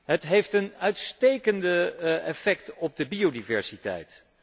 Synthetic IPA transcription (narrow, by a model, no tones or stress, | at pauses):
ɦətɦejftənœɥtstejkəndəɛfɛktɔp̚dəbiodivɛ̰ɹsitɛ̰jt